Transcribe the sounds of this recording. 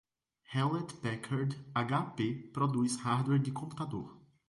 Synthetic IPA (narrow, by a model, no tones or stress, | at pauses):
hɛlɛt̪pɛkʰaɾd̪aɡapepɾod̪ushaɾd̪wɛɾdɪkõmpu̥t̪ad̪oɾ